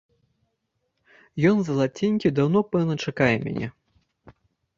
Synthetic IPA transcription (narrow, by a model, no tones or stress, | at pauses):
jɔnzɐlˠat͡sʲinʲkʲid̪awnɔpɛwnɐt͡ʂakajɛmʲa̰nʲɛ̰